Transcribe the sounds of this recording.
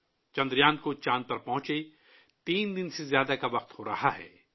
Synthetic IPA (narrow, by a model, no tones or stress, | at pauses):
t͡ʃɐ̃nd̪ɾjaːnd̪̚kot͡ʃãːnpɐɾpɐ̃ɦʊ̃t͡ʃe | t̪iːnd̪ɪnsezjaːd̪akaʋɐqt̪hoːɾɐ̰haɦɛ̰ː